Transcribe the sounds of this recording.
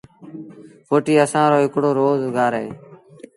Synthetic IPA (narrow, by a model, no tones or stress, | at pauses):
fʰoːʈiːəsãːɾoːɦɪkɽoːɾoːzɡʱaːɾɦḛː